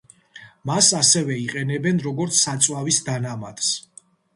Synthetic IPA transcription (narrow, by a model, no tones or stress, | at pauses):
masasɛvɛiqʼɛnɛbɛnɾɔɡɔɾt̪sʰsat̪sʼwavisd̪anamad̪̥s